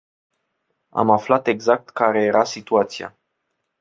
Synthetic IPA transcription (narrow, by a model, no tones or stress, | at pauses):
a̰maflat̪e̞ɡzak̚t̪kaɾe̞jeɾʔasit̪uat̪sia̰